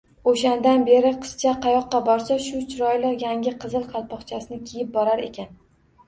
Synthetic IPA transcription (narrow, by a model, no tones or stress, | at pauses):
oʃand̪anbe̞ɾɪqʰɨ̥st͡ʃʰaqʰɑjɒqːɑbɒɾsaʃʊt͡ʃʰɪɾɒjlɪqjaŋʲɪqʰɨzɨlˠqʰɑlˠpɒχt͡ʃʰasɪnɪkʲʰejɪp̚bɒɾaɾe̞̰kʲʰan